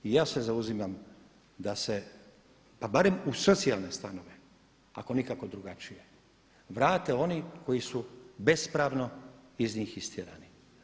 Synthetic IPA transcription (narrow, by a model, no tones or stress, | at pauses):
ijaːse̞zauzimam | d̪ase̞ | pabaɾe̞musot̪sialˠne̞st̪ano̞ʋe̞ | a̰ko̞nikako̞d̪ɾuɡat͡ʃije | ʋɾaːt̪eo̞niko̞jisube̞spɾaːʋno̞izniːxist̪jeɾa̰ːni